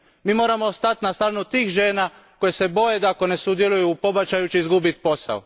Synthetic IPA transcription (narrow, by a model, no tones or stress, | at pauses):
miːmo̞ːɾamost̪at̪nast̪aɾnut̪iːxʒe̞ːna | ko̞jese̞bo̞jed̪ako̞ne̞sud̪je̞lujupo̞bat͡ʃajut͡ʃiizɡubit̪po̞sa̰o